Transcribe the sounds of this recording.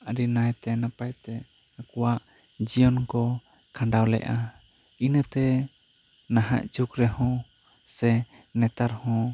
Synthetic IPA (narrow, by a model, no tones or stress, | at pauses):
aɾinajt̪ɛnapajt̪ɛakɔwaʔd͡ʒijɔnkɔkʰãɳɖawlɛ̰ʔainət̪ɛ | naɦa̰ʔt͡ʃukɾɛhɔ̃sɛnɛt̪aɾhɔ̃